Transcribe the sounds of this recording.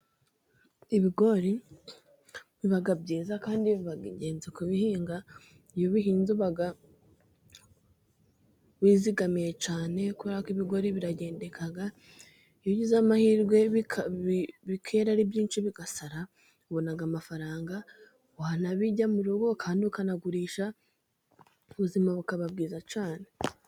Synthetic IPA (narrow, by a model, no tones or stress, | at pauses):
iβiɡo̞ɾi | βiβaɡabɟiːzakaːndiββaɡɟe̞ːnzekuβihiːŋɡa | ijoβiɦiːnzuβaɡa | βiːziɡamije̞t͡ʃaːne̞kuβeɾakiβiɡo̞ɾiβiɾaɟe̞ːnde̞kʰaɡa | ijoɟizamahiɾɡwe̞βkʰiβikʰe̞ːɾaɾibjiːnt͡ʃiβiɡasaɾa | uβonaɡamafaɾaːŋɡa | anaβiɟamuɾuɡo̞kʰaːndiukanaɡuɾiːʃa | uβuzimaβukaβab̚ɡiːzat͡ʃaːne̞